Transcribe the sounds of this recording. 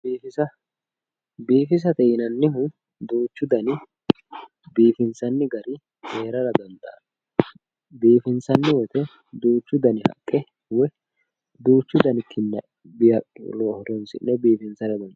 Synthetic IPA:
biːfɪsɐ | biːfɪs̬ɐt̪ɛjɪnɐnːɪɦʊ | d̪uːt͡ʃːʊd̪ɐnɪ | biːfɪnsɐnːɪɡɐɾɪ | heːɾɐɾɐd̪ɐnt̪ʼa̰ | biːfɪnsɐnːɪwɛt̪ɛ | d̪uːt͡ʃːʊd̪ɐnɪhɐ̰kʼːɛ | wɛ | d̪uːt͡ʃːʊd̪ɐnɪkʰːɪnːɐ | bɪjɐ̰loːhɔd̪ɔnsɪ̰nːɛbiːfɪnsɐɾɐd̪ɐnt̪

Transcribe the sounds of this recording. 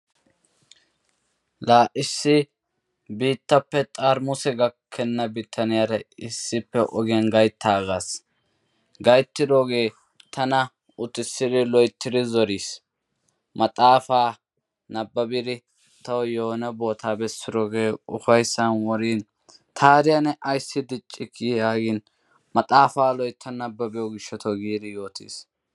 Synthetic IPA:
laːʔɪsːɪ | biːt̪ːɐpːɛt̪ʼaːɾmʊsɛɡɐkʰːɛnːɐbɪt̪ʰːɐnɪjaɾɐɪsːɪpːɛʔɔɡɪɐnɡɐjt̪ʰːaːɡaːs | ɡɐjt̪ːɪd̪o̞ːɡe̞ː | t̪ʰɐnɐ | ʊt̪ːɪsːɪd̪ɪlɔjt̪ʰːɪd̪ɪzɔɾiːs | mɐt̪ʼaːfaː | nɐbːɐbɪd̪ɪ | t̪ɐwjoːnɐbo̞ːt̪ʰaːbɛsːɪd̪oɡe̞ːʊfɐjsːɐnwɔɾiːn | t̪ʰaːɾɪjɐnɛʔɐjsːɪd̪ɪt͡ʃʼːɪkːijaːɡɪn | mɐt̪ʼaːfaːlɔjt̪ːɐnɐbːɐbɪjɔɡɪʃːɔt̪ʰɔɡiːd̪ɪjo̞ːt̪ḭːs

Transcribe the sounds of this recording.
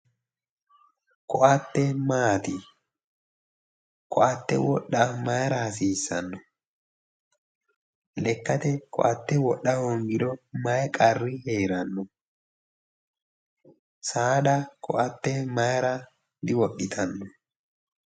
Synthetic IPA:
kɔʔɐt̪ːɛmaːt̪ɪ | kʰɔʔɐt̪ːɛwɔɗːɐmɐjɾɐhɐsiːsːɐnːɔ | lɛkːɐt̪ɛkɔ̰ʔɐt̪ːɛwɔɗːɐhɔŋɡɪd̪ɔmɐjkʼɐrːɪheːɾɐnːɔ | saːd̪ɐkʰɔʔɐt̪ːɛmɐjɾɐ | d̪ɪwɔɗːɪt̪ʰɐnːɔ

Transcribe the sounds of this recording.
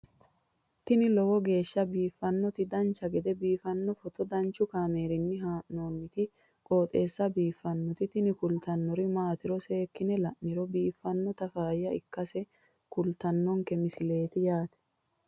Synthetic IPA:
t̪ɪnɪlɔwɔɡe̞ːʃːɐbiːfːɐnːɔt̪ɪd̪ɐnt͡ʃːɐɡɛd̪ɛbiːfɐnːɔfɔt̪ɔd̪ɐnt͡ʃːʊkaːme̞ːɾɪnːɪɦaːʔnoːnːɪt̪ɪ | kʼo̞ːt̪ʼe̞ːsːɐbiːfːɐnːɔt̪ɪt̪ɪnɪkʊlt̪ɐnːɔɾɪmaːt̪ɪɾɔse̞ːkːɪnɛlɐʔnɪɾɔbiːfːɐnːɔt̪ɐfaːjːɐɪkːɐsɛ | kʊlt̪ɐnːɔŋkɛmɪsɪle̞ːt̪ɪjaːt̪ɛ̥

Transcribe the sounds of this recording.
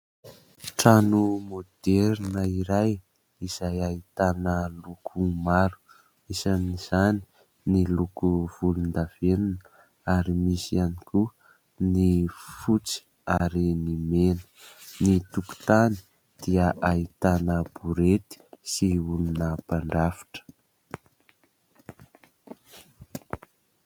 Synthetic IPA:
ʈ͡ʂanumod̪̥eɾinəiɾaj | iz̥ajait̪anəlukʰumaɾu̥ | isaniz̥ani̥ | nilukuv̥ulund̪av̥enunə | aɾimisianiku | nifut͡si̥ | aɾinimenə̥nit̪uku̥t̪ani̥ | d̪̥iəʔait̪anəbuɾet̪i̥siulunəpaɳɖ͡ʐafḁʈ͡ʂə̥

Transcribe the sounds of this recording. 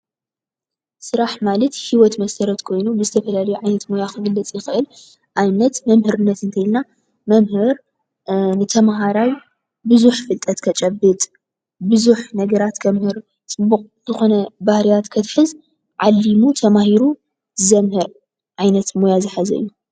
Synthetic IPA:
sɨɾaħmalɐt̪hiwɔt̪mɐsɐɾɐt̪kʰo̞jnubɨzɨt̪ʰɐfɐlalɐjuʕajnɐt̪mo̞jakʰɨɡɨlːɨt͡sʼjɪxɨʔɨl | ʔajnɐt̪mɐmhɨɾɨnːɐt̪ɨnt̪ʰɐjlna | mɐmhɨɾ | nɨt̪ʰɐmɦaɾaw | bɨzuħfɨlt̪ʼɐt̪kʰɐt͡ʃʼɐbːɨt̪ʼ | bɨzuħnɐɡɐɾat̪kʰɐmhɨɾ | t͡sʼɨbːuqʼzɨxo̞nɐbahɾijat̪kʰɐt̪ħɨz | ʕalːimut̪ʰɐmahiɾu | zɐmhɨɾ | ʕajnɐt̪mojazɨħazɐ̰ɨjːu

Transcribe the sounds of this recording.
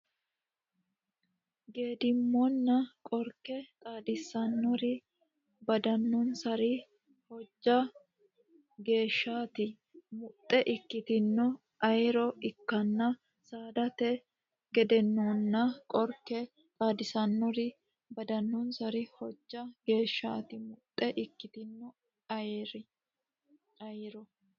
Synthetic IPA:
ɡe̞ːd̪ɪmːɔnːɐkʼɔɾkɛt̪ʼaːd̪ɪsɐnːɔɾɪ | bɐd̪ɐnːɔnsɐɾɪ | hɔd͡ʒːɐ | ɡe̞ːʃːaːt̪ɪ | mʊt̪ʼːɛʔɪkːɪt̪ɪnːɔ | ɐjɾɔɪkːɐnːɐ | saːd̪ɐt̪ɛ | ɡɛd̪ɛnːoːnːɐkʼɔɾkːɛ | kʼaːd̪ɪsɐnːɔɾɪ | bɐd̪ɐnːɔnsɐɾɪhɔd͡ʒːɐɡe̞ːʃːaːt̪ɪmʊt̪ʼːɛʔɪkːɪt̪ɪnːɔ | ɐjɾɪ | ɐjɾɔ

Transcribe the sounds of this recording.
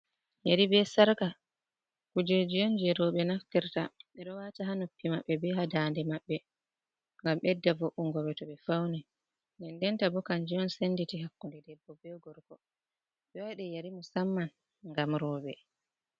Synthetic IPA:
jaɾibɛsaɾka | kud͡ʒed͡ʒijond͡ʒɛɾɔɓɛnakːiɾta̰mɛɗɔwataɦanupːimaɓːɛbɛɦadandɛmaɓːɛ | ŋɡamɓɛdːavoʔuŋɡɔɓɛtɔɓɛfawnɛ | ndɛndɛntabɔkaɲd͡ʒiɔnsenditiɦakːundɛdɛbːɔbɛɡɔɾkɔ | ɓɛwɛɗɛjaɾimɔsamːan | ŋɡamɾɔɓɛ

